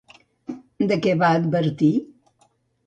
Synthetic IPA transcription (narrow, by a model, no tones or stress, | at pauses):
d̪əkɛβaəd̪̚bəɾt̪i